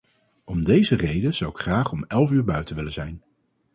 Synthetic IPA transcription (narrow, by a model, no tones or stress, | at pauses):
ɔmdejzərejdəz̥ɑwɪkχraːχɔmɛlˠvyːɹbœɥtənʋɪləzɛjn